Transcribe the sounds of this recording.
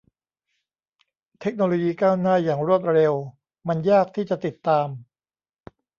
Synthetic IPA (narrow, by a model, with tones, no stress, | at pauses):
t̪ʰe˦˥k̚noː˧loː˧jiː˧kaː˥˩wnaː˥˩jaː˨˩ŋɾu˥˩ət̪̚ɾe˧w | ma˧njaː˥˩k̚t̪ʰiː˥˩t͡ɕa˨˩t̪i˨˩t̪ːaː˧m